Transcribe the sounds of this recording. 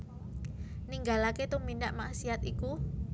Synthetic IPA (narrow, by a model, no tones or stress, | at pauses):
niŋɡalaket̪umindaʔmaʔsiat̪iku